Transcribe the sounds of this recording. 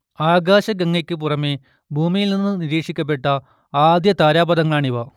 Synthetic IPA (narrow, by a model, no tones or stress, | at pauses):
aːɡaːɕɐɡɐŋːɐkʲːɨp̬urɐme | bʱuːmijilninːɨniɾiːkʂikʲːɐp̬ːe̞ʈːɐ | aːd̪jɐt̪aːɾaːbɐðɐŋːɐɭaːɳiʋɐ